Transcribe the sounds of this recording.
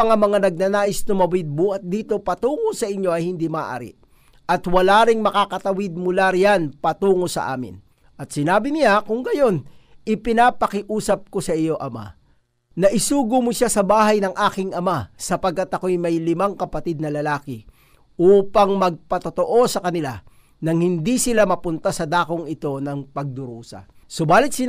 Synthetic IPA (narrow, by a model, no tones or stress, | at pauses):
ɐŋɐmɐŋanɐɡ̚nanaːʔɪsnʊmɐwɪd̪̚buhɐt̪̚d̪iːt̪o̞pɐt̪uːŋosɐʔɪɲjo̞ʔɐjhɪnd̪imɐʔa̰ːɾɪ̰ | ʔɐt̪wɐlaːɾɪŋmɐkakɐt̪ɐwɪd̪̚mʊlaɾjanpɐt̪uːŋosɐ̰ʔa̰ːmɪ̰n | ʔɐt̪̚sɪnaːbɪnɪjakʊŋɡɐjo̞nʔɪpɪnaːpɐkɪʔuːsɐp̚ko̞sɐʔɪjo̞ʔɐma̰ | nɐʔɪsuːɡʊmʊʃasɐbaːɦɐjnɐŋʔaːkɪŋʔɐmasɐpɐɡ̚kːɐt̪ɐko̞jmɐjlɪmaŋkɐpɐt̪id̪̚nɐlɐlaːkɪ | uːpɐŋmɐɡ̚pɐt̪ot̪oʔo̞sɐkɐnɪla | nɐŋhɪnd̪isɪlamɐpʊnt̪asɐd̪aːkoŋɪt̪o̞nɐŋpɐɡ̚d̪ʊɾuːsɐ̰sobaːlɪt̪̚sɪ